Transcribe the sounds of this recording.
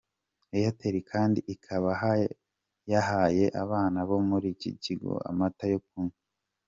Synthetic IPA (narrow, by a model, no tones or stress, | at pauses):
ejateɾikʰaːndiʔikʰaβaha | jahaje̞ʔaβaːnaβo̞muɾicḭciɡo̰a̰matajok̚unu